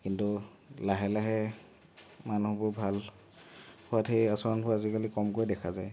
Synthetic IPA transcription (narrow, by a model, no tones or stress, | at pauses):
kintu | laɦɛlaɦɛ | manuhbʊɹbʱal | hʊwathejasɔɹɔnpʰʊɹazikalikɔmkojdɛkʰazaj